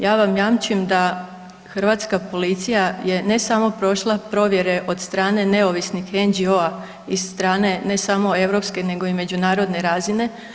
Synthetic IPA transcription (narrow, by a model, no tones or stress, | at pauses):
jaːʋamjaːmt͡ʃuemd̪a | xr̩ʋaːt̪skapo̞lit̪sijaje̞ne̞samo̞pɾo̞ʃlˠapɾo̞ʋje̞ɾe̞ʔo̞d̪st̪ɾaːne̞ne̞oʋisnixe̞nd͡ʑio̞a | isst̪ɾaːne̞ne̞samo̞e̞ʋɾo̞pske̞ne̞ɡo̞ime̞d͡ʑunaːɾo̞d̪ne̞ɾaːzine̞